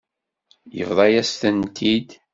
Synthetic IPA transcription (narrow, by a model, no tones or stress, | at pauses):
jə̰vðˤɑjæst̪ənt̪ʰid̪